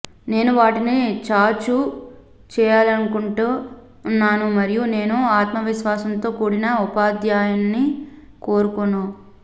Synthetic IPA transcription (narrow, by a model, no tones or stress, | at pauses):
ne̞ːnuʋaːʈinit͡ʃaːt͡ʃu | t͡ʃɛːjaːlɐnukuɳʈuː | nːaːnumɐɾijune̞ːnuaːt̪mɐʋiʃʋaːsɐnt̪o̞ːkuːɽinɐupaːd̪jaːjɐnːi | koːɾukonːu